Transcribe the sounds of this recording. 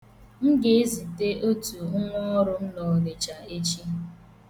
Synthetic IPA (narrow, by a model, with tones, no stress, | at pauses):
ŋ̩˦ɡe˨e˦zi˨te˦ʔo˦tu˨ʊ˦ŋʷɔ˦ɔ˦ɾʊ˦m̩˦lɔ˨le˨t͡ʃa˨e˦t͡ʃi˦